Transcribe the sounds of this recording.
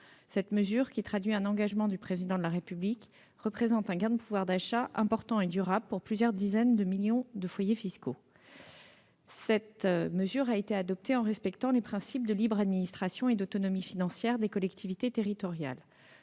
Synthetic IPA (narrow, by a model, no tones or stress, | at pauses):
sɛt̪məzyʁkʲit̪χad̪ɥiɛ̃nɑ̃ɡaʒmɑ̃d̪ypχezid̪ɑ̃d̪əlaʁepyblik | ʁəpχezɑ̃t̪ɛ̃ɡãd̪əpuvwaʁd̪aʃaʔɛ̃pɔʁt̪ɑ̃ed̪yʁabləpuʁplyzjœʁd̪izɛnd̪əmiljɔ̃d̪əfwajefisko | sɛt̪məzyʁaet̪ead̪ɔp̚t̪eɑ̃ʁɛspɛkt̪ɑ̃lepχɛ̃sip̚d̪əlibʁad̪minist̪χasjɔ̃ed̪ot̪ɔnɔmifinɑ̃sjɛʁd̪ekɔlɛkt̪ʰivit̪et̪eʁit̪ɔʁja̰l